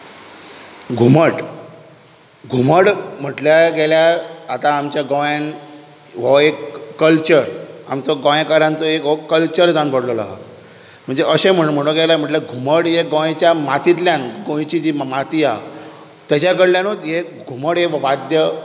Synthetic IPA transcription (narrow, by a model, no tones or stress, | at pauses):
ɡʱuməʈ | ɡʱuməɽm̤əʈljaɡɛljaɾat̪aːmt͡ɕjaɡə̃wjan | ʋɔekːəlt͡ɕəɾa̰mt͡sɔɡə̃jẽkaɾãnt͡sɔekɦɔkəlt͡ɕəɾd͡zãnpəɽlɔla̰ɦɔ̰ | m̤əɳd͡zeʔəɕem̤əɽm̤əɽ̃õɡɛljam̤əʈleɡʱuməɽjeɡõet͡ɕjamat̪it̪̬ljanɡõjt͡ɕid͡ʑiːmmat̪ia | t̪jat͡ɕakəɽljanot̪je | ɡʱuməɽɦeʋʋad̪jə